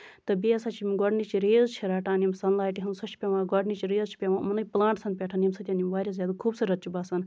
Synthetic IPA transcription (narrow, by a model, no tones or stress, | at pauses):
t̪ɐbiɐsɐt͡ʃʰimiɡɔɖnit͡ʃiɾeːzt͡ʃʰiɾaːʈaːnjimsɐnlaːjʈiɦɐnsɐt͡ʃʰi̥pʲeʋãːɡɔɖnit͡ʃiɾeːzt͡ʃʰi̥pʲeʋãːmɐnɐplãːɳʈsʰɐnpʲeʈʰaːnʲimsɐt̪ʲanʲimʋaːɾʲjaːzʲjaːd̪ukʰuːbsɨɾɐt̪t͡ʃibaːsɐn